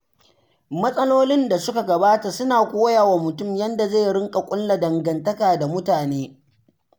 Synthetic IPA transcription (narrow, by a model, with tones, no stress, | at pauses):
mɐ˦sʼɐ˦loː˦lɪ˦nda˨sʊ˦ka˨ɡɐ˨baː˦ta˨sʊ˦naː˨kʷoː˦ja˨wa˨mʊ˨tʊ˦˨mjɐ˦nda˨za˦˨jɽɪ˦ŋkʼa˨kʷʼʊ˦lla˨dɐ˨ŋɡɐ˨ntɐ˦kaː˨da˨mʊ˦taː˨neː˦